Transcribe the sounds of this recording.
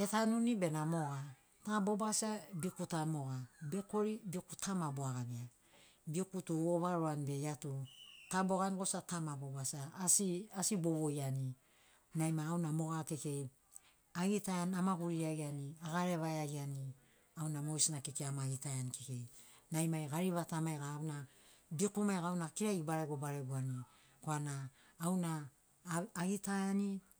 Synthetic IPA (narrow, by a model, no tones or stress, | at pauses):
e̞tanunibe̞namo̞ɡa | tabo̞basabikutamo̞ɡabe̞ko̞ɾibiokutʰamaboaɡaɡia | biokutuoβaɾoanibe̞jatutabo̞ɡanɡosatamabobasasiasiboβojani | najmaːwnamo̞ɡake̞ke̞j | aɡitajanamaɡuɾiaɡianiaɡaɾe̞βaeaɡiani | awnamo̞jsinakekeamaɡitajankeke̞j | najmajɡaɾiβatamajɡaːwna | bikumajɡawnakiɾaɡibaɾeɡobaɾeɡuani | koanaː | wnaː | ɡitajani